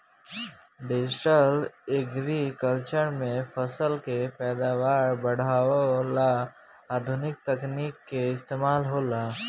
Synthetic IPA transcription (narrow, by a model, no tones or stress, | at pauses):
ɖɪd͡ʒɪʈəleɡɾikəlt͡ʃəɾmẽpʰəsəlkepɛːd̪aːwaːɾbəɽ̤aːola | aːd̪ʱʊnɪk̚t̪əkniːkːeɪst̪eːmaːlɦoːlaː